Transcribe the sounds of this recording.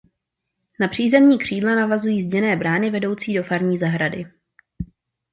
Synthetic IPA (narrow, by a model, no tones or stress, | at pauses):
napr̝̥iːzɛmɲiːkr̝̥iːdlanavazujiːzɟɛnɛːbɾaːnɪvɛdo̞wt͡siːdo̞faɾɲiːzaɦɾadɪ